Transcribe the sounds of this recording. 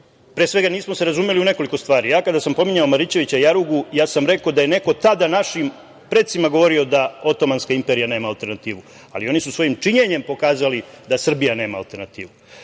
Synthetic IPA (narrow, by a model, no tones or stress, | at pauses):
pɾesʋe̞ɡaniːsmose̞ɾazumje̞liune̞ko̞liko̞st̪ʋaːɾijaːkad̪asampo̞miɲaomaɾit͡ɕe̞ʋit͡ɕajaɾuɡujaːsamɾe̞kod̪aje̞ne̞ko̞t̪ad̪anaʃim | pɾe̞t̪simaɡo̞ʋo̞ɾio̞d̪ao̞t̪o̞manskaimpe̞ɾijane̞ːmaːlt̪e̞ɾnat̪iːʋu | a̰lio̞nisusʋo̞jimt͡ʂiɲe̞ɲe̞mpo̞kaːzalid̪asr̩bijane̞ːmaːlt̪e̞ɾnat̪iːʋu